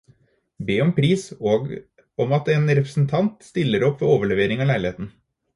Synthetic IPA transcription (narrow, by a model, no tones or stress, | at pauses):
beːɔmpʰɾiːsoːɡ | ɔmɑt̪eːnɾɛpɾəsn̩t̪ʰɑnt̪st̪ɪlːəɾɔpːʋɛoːʋəɭɛʋeːɾɪŋɑːlæɪlɪheːt̪n̩